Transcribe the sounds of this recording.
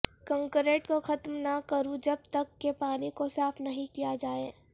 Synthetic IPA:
kɐ̃ŋkɾeːʈkoxɐt̪mnakɐɾũd͡ʒɐb̚t̪ɐkːepaːlikosaːfnɐɦĩkijad͡ʒaːeː

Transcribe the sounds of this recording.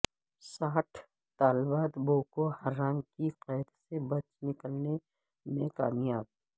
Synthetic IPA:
saːʈʰ | t̪aːlbaːt̪boːkohɐɾːaːŋkiqɛːd̪sebɐt͡ʃnɪkəlne | mẽkaːmjaːb̚

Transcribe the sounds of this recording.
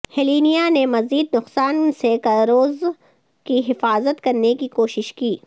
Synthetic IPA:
hɛliːnijanemɐziːd̪nʊqsaːnsekɐɾoːz | kiɦɪfaːzət̪kɐɾnekikoːʃɪʃkiː

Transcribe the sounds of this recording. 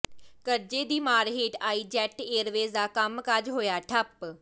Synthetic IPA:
kəɾd͡ʒeːd̪iːmaːɾɦeːʈaːiːd͡ʒɛːʈeːɾʋeːzd̪aːkəmkad͡ʒɦoːjaːʈʰəp

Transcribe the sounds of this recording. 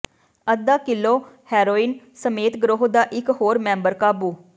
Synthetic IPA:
əd̪aːkɪlːoːhɛːɾoːiːn | səmeːt̪ɡɾoːɦd̪aːʔɪkɦoːɾmɛ̃ːmbəɾkaːbuː

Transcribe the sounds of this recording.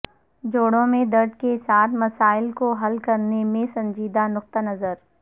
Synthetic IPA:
d͡ʒoːɽõmẽd̪ɐɾɖkesaːt̪ʰmɐsaːɪlkoɦɐlkɐɾnemẽsɐ̃ɲd͡ʒiːd̪anʊq̚t̪anɐzəɾ

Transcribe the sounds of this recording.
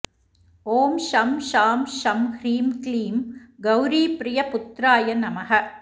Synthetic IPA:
oːmʃɐmʃaːmʃɐmhɾiːmkliːmɡɐwɾiːpɾɪjɐpʊt̪ɾaːjɐnɐmɐɦɐ

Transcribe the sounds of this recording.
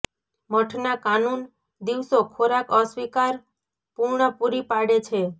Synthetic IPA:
məʈʰnakanun | d̪iʋsokʰoɾakəswikaɾ | puɾɳəpuɾipaɽet͡ʃʰe

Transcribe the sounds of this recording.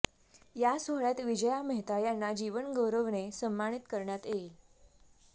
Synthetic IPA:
jasoɦɭjat̪ʋid͡ʑəjaməɦt̪ajanːad͡ʑiʋənɡəwɾəʋnesəmːaɽ̃it̪kəɾɳjat̪e

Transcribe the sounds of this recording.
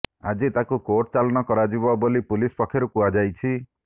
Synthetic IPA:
a̰d͡ʒit̪akukoʈt͡ʃalɔnɔkɔɾad͡ʒibɔbolipulispɔkʰjɔɾukuad͡ʒajt͡ʃʰi

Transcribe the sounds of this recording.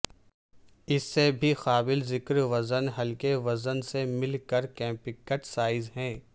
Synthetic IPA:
ɪsːebʱixaːbɪlzɪkɾʋɐzənɦɐlkeʋɐzənsemɪlkəɾkɛ̃ːpɪkːəʈsaːɪzɦɛ̃ː

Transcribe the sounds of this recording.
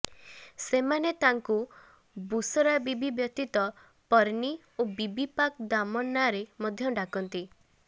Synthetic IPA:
semanet̪aŋku | busɔɾabibibjɔt̪it̪ɔ | pɔɾni | obibipakd̪amɔnːaɾemɔd̪ʱjɔɖakɔnt̪i

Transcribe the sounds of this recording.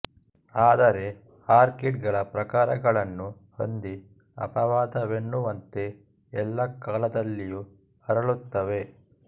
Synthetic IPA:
aːd̪ɐɾe̞ | aːɾkiʈ̚ɡɐɭɐpɾɐkaːɾɐɡɐɭɐnːu | ho̰nd̪i | ɐ̰pɐʋaːd̪ɐʋeɳːuʋɐnt̪e̞ | ɛlːɐkaːlɐd̪ɐlːiju | ɐɾɐɭut̪ːɐʋe̞

